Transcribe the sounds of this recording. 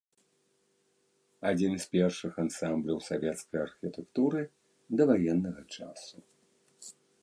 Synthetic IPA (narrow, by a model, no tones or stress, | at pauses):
ad͡zʲinspʲɛrʂɨxansamblʲɐwsavʲɛt̪skɐjɐrxʲit̪ɛkt̪uɾɨ | d̪ɐvajɛnːɐɣɐt͡ʂa̰su